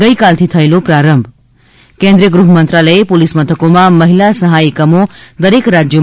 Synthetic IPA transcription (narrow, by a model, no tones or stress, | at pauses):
ʌjkalt̪ʰit̪ʰʌjlopraɾʌmbʱ | kend̪ɾijʌɡɾuɦʌmʌnt̪ralʌepolismʌt̪ʰʌkomamʌɦilasʌɦajkʌmod̪ʌɾekɾad͡zjo